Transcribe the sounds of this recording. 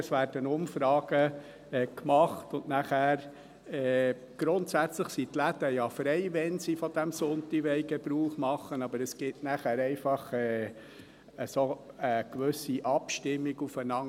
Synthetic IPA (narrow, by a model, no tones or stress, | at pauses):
əsʋæːɾd̥ənʊmfɾɑːɡ̥ə | ɛkmɑχtʊnnæχæːɾ | ɛː | ɡ̥ɾʊntsæt͡sləχsitlæd̥əjɑfɾɛɪʋɛnsifɔd̥æmsʊnt̪iʋɛɪɡɛb̥ɾuːχmɑχənɑbəɾəsɡ̥ɪtnæχæːɾɛɪfɑχɛː | əsoəkʋɵsiʔɑpʃtɪmːiɡufənɑŋ